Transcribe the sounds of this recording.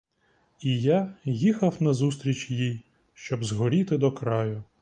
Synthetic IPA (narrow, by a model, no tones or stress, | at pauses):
ijajixɐwnɐzust̪ɾʲit͡ʃjij | ʃt͡ʃɔbzɦɔɾʲit̪ɪd̪ɔkɾɑjʊ